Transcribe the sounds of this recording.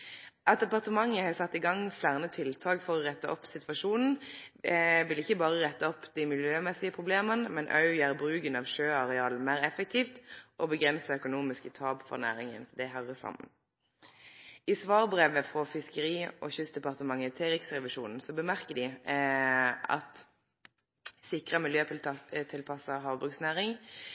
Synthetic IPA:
ʔɑt̪̚d̪ɛpɑʁt̪əmɑŋːəhɑːsɑt̪ːɪɡɑŋflæʁnət̪ʰɪlt̪ʰɑːɡfɔʁɔʁɛt̪ːəʔɔpːsɪt̪ʋɑʂuːnn̩ | ʋɪlɪçːəbɑːʁəʁɛt̪ːəɔpːd̪ɪmɪljøːmɛsɪəpʰʁʊbleːmənəmɛnʔɑ̰ʉjəʁbʁʉːɡənɑʋʃøːɑʁɛɑːlnmæːʁɛfək̚t̪ʰiːft̪ʔɔbəɡʁɛnsəœkʊnuːmɪskət̪ʰɑːbfɔ̰ʁnæ̰ːʁɪŋə̰nd̪ɛɦɑʁəsɑ̰mːə̰n | ɪsʋɑːʁbʁeːʋəfʁɔfɪskəʁiːʔɔ̰ːçʏst̪d̪ɛpɑʁt̪əmɑŋːəɪt̪ʰeːɾɪksʁɛʋɪʃuːnn̩sɔbəmæʁkəd̪ɪ | ɑ̰t̪ | sɪkʁəmɪljøːt̪ʰɪlpʰɑsəɦɑːʋbʁʉksnæːʁɪŋ

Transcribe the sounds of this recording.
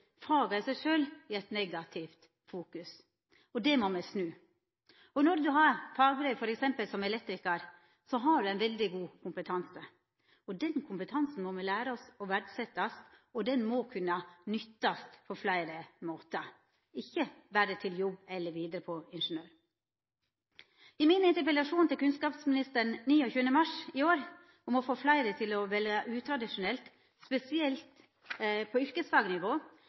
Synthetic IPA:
fɾɑːɡɑɪsæɪʂøːlɪɛt̪nɛɡɑt̪ʰɪft̪ | fuːkʉs | ɔd̪ɛmɔmɛsnʉː | ɔnɔɾd̪ʉɦɑɾfɑːɡbɾœːfɔɾɛksɛmpəlsɔmɛlɛt̪ɾɪkɑɾ | sɔɦɑɖʉæɪnʋɛld̪ɪɡuːkʰʊmpət̪ʰɑnsə | ɔd̪ɛnkʰʊmpət̪ʰɑnsn̩mɔmɛlæːɾəɔsɔʋæɖsɛt̪ːɑst̪ɔd̪ɛnmɔkʰʉnːɑnʏt̪ːɑst̪pʰɔflæɪɾəmoːt̪ə | ɪçːəʋæːɖət̪ʰɪljɔbːɛlːəɾʋiːd̪əɾəpʰɔɪnʂənøːɾ | ɪmɪnɪnt̪əɾpɾət̪ɑʂuːnt̪ɪlkʰʉnskɑːpsmɪnɪst̪əɳniːɔçʉːənəmɑʂɪoːɾ | ɔmɔfoːflæɪd̪ət̪ʰɪlɔʋɛlɑʔʉːt̪ʰɾɑd̪ɪʂʊnɛlt̪ | spɛsɪɛlt̪ | pʰɔʏɾkəsfɑːɡənɪʋoː

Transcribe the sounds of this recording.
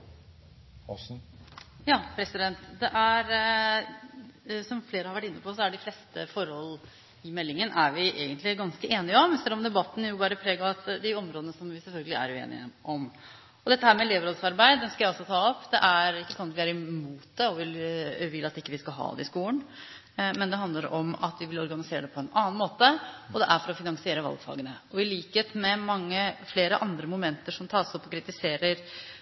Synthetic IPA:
sn | jɑːpʰɾɛsɪd̪ɛnt̪d̪ɛʔæɾ | sɔmfleːɾəhɑɾʋæʈːɪnːəpʰɔsɔæɖɪfleːst̪ə̰fɔɾhɔlː | ɪmɛlːɪŋənʔæɾʋɪʔeːɡənt̪lɪɡɑnskəʔeːnɪəɔmsɛlːɔmd̪ɛbɑt̪ːn̩jʊbɑːɾəpʰɾeːɡəɑt̪d̪ɪɔmɾoːd̪ənəsɔmʋɪsɛlfœlɡəlɪæ̰ɾʉḛːnɪ̰əʔɔm | ɔd̪ɛt̪ːəhæːɾmɛleːʋəɾoːd̪sɑɾbæɪd̪d̪ɛnskɑjæɪɔsːɔt̪ʰɑːɔpd̪ɛ̰ʔæɾɪkːəsɔnɑt̪ʋɪæɾɪmuːt̪̚d̪ɛɔʋɪʋɪlːɑt̪ɪkːəʋɪskɑlɦɑ̰ːd̪ɛ̰ɪskuːən | mɛnd̪ɛɦɑnd̪əɾɔmɑ̰t̪ʋɪʋɪlɔɾɡɑnɪseːɾəd̪ɛpʰɔɛnɑːnmoːt̪əɔd̪ɛʔæɾfɔɾɔfɪnɑŋsɪeːɾəʋɑ̰lɡfɑ̰ːɡənəɔɪliːkheːt̪mɛmɑŋːəfleːɾəʔɑnd̪ɾəmʊmɛnt̪əʂɔmt̪ʰɑːɾsɔpːɔkɾɪt̪ɪseːɾəɾ

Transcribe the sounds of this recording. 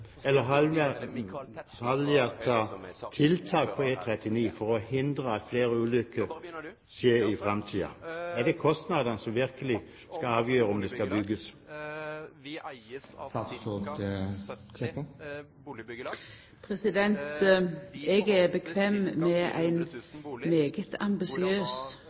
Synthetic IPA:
ɛlːəɦɑmɛ | hɑljət̪ʰɑːt̪ʰɪlt̪ʰɑːk̚pʰɔeːt̪ʰʁɛt̪ɪniːfɔʁɔhɪnd̪ʁəɑt̪fleːɾəʉːlʏkːəʁ | ʃeːɾɪfʁɛmt̪ʰiːɑ̰æd̪ɛkʰɔst̪nɑd̪ənəsɔmʋɪɾkəlɪ | skɑɑːʋjøːʁəɔmd̪ɛskɑbʏɡəs | tɑt̪tot̪ | kʰɛpə | pʰɾɛsɪd̪ɛnt̪ | ɛːɡæbəkʰʋeːmmeːʔæ̰ɪnmeːɡət̪ʰɑ̰mbɪsɪøːs

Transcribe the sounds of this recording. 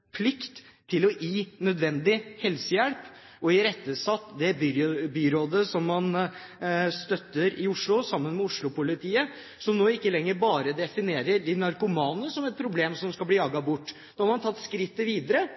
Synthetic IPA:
pʰlɪkt̪ʰː | ɪlɔʔiːnœd̪ʋɛnd̪ɪhɛlsəjɛɽp | ɔɪɾɛt̪ːəsɑt̪ːd̪ɛbybyːɾoːd̪əsɔmːɑn | st̪œt̪ːəɾɪʊʂɭʊsɑmːənmɛʊʂɭʊpʊlɪt̪ʰiːə | sɔmnoːɪkːəlɛŋːəɾbɑːɾəd̪ɛfɪneːɾəd̪ɪnɑɾkʊmɑːnəsɔmɛt̪̚pʰɾʊbleːmsɔmskɑlbliːlɑːɡɑbʊʈː | noːhɾmɑnt̪ʰɑt̪ːskɾɪt̪ːəʋiːd̪əɾə

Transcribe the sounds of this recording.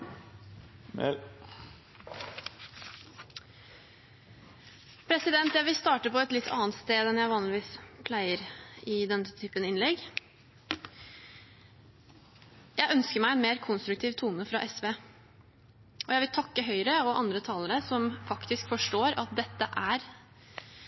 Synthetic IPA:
pʰɾɛsɪd̪ɛnt̪jæɪʋɪlst̪ɑːʈəpɔɛt̪lɪt̪ʰːɑ̰ːənt̪st̪eːd̪ɛnjæɪʋɑːnlɪʋiːspʰlæɪəɾɪd̪ɛnːt̪ʰyːpənɪnlɛɡ | jæɪʔœnskəɾmæɪɛnmeːɾkʰʊnst̪ɾʉk̚t̪ʰiːʋt̪ʰuːnəfɾɑʔɛsʋeː | ʔɔjæɪʋɪlt̪ʰɑkːəɦœʏɾəɔʔɑ̰nd̪ɾət̪ʰɑːləɾəsɔmfɑkt̪ɪskfɔʂʈoːɾɑt̪̚d̪ɛt̪ːəʔæɾ

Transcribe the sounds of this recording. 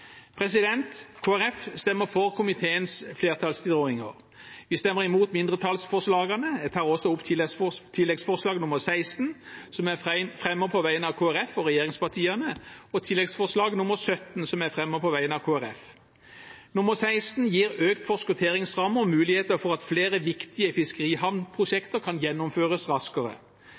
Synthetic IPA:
pʰʁɛsɪd̪ɛnt̪kʰoːæɾɛfst̪ɛmːəfɔʁkʰʊmɪt̪ʰeːənsfleːʁt̪ʰɑlst̪ʰɪd̪ʁoːɪŋə̰ʁ | ʋɪst̪ɛmːəʁɪmuːt̪mɪnd̪ʁət̪ʰɑlsfɔʁʂlɑːɡənəd̪ɛt̪ʰɑːʁɔsɔʊpːt̪ʰɪt̪ʰɪlːɛɡsfɔʁʂlɑːɡnʊməsæɪst̪n̩sɔmæɪfʁɛmːəpʰɔʋæɪənɑʋkʰoːæʁɛfɔɾɛjeːɾɪŋspɑt̪ʰiːɑnəɔt̪ʰɪlːɛɡsfɔʁʂlɑːɡnʊməɾsœt̪nsɔmæʁfʁɛmːəpʰɔʋæɪənɑʋkʰoːæɾɛf | nʊməʁsæɪst̪n̩jiːɾøːkt̪fɔʁskʊt̪ʰeːɾɪŋsʁɑmːəmʉːlɪheːt̪əfɔʁɑt̪fleːʁəʋɪkt̪ʰɪəfɪskəʁiːhɑʋnpʰʁʊʃɛkt̪əɾkʰɑnjɛnːʊmføːʁəsʁɑskəʁə̰

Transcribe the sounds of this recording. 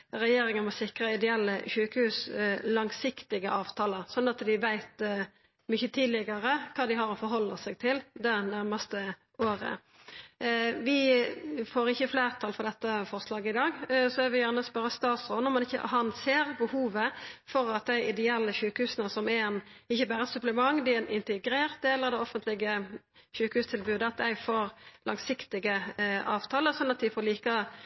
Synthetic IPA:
ɾɛjeːɾɪŋənmɔsɪkʁəɪd̪ɛɛlːəçʉːkəhʉːslɑŋsɪkt̪ɪɡəʔɑːʋt̪ʰɑːləsɔnːɑt̪d̪ɪʋæɪt̪ | mʏçːət̪ʰiːd̪lɪɡɑɾəkʰɑːd̪ɪɦɑɾɔfɔɾɦɔlːəsæɡ̚t̪ʰɪld̪ɛnæɾməst̪ə | oːɾə̰ | ʋɪ | foːɾɪçːəfleːʁt̪ʰɑːlfɔɾd̪ɛt̪ːəfɔʁslɑːɡəɪd̪ɑːɡsɔɛʋɪjæʁnəɔspœɾːəst̪ɑːt̪sʁoːd̪nɔmɑnɪçːə̰ɦɑnseːɾbəhuːʋəfɔɾɑt̪̚d̪æɪʔɪd̪ɛɛlːəçʉːkəhʉːsənəsɔmɛnɪçːəbæːɾəsʉpləmɑŋːd̪ɪɛnɪnt̪əɡɾeːʁt̪̚d̪eːlːəɾd̪ɛɔfənt̪lɪɡə | çʉːkhʉːst̪ʰɪlbʉːd̪əɑt̪̚d̪æɪfoːɾlɑŋsɪkt̪ɪɡəɑːʋt̪ʰɑːləsɔnːɑt̪̚d̪ɪfɔːɾliːkɑ

